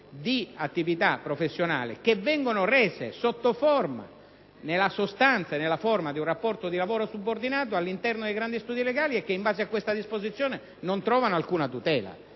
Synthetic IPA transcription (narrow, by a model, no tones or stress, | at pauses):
d̪iat̪ːivit̪apːɾofesːjona̰ːlɪ̰kevːɛŋɡonoreːzḛsot̪ːoforma̰ | nelːasost̪ant̪sanelːaformad̪iunrapːɔrt̪od̪ilavoːɾosubːord̪inaːt̪̬oalːint̪ɛrnod̪ejɡɾand̪ist̪uːd̪ileɡaːliekːeimbaːzeakːwest̪ad̪ispozit̪sjoːne | nont̪ɾɔːvanoalkuːnat̪ut̪ɛːla̰